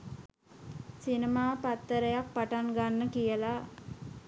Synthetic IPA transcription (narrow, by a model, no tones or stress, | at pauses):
sinəmaːpat̪ːəɾəjak̚paʈaŋɡanːəkijəla